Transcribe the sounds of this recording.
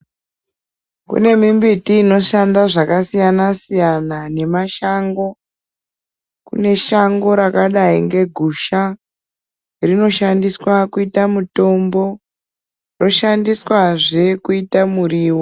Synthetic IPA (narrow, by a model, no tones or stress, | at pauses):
kṵne̞mimbitiːno̞ʃandaʐakasijanasijanane̞maʃaŋɡo̞ | kṵne̞ʃaŋɡo̞ɾakaɗaiŋɡe̞ɡʱuʃa | rino̞ʃandiswakuitamuto̞mbo̞ | ro̞ʃandiswaʐe̞kuitamuriːwo